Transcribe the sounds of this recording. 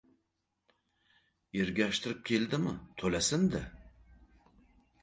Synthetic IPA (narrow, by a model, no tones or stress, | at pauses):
eɾɡʲæʃt̪ʰɪɾɪp̚kʲʰeld̪ɪmɪ̰t̪ʰɵlæsɪnd̪ɪ